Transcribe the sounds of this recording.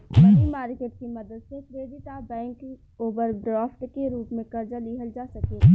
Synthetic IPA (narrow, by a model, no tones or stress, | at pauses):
mɐnimaːɾkeːʈ̚kimɐd̪əd̪sekɾeːɖ̪it̪abɛ̃ːŋk | oːbəɾɖɾaːfʈkeɾuːpmẽkɐɾd͡ʒaliɦəld͡ʒaːsɐkeː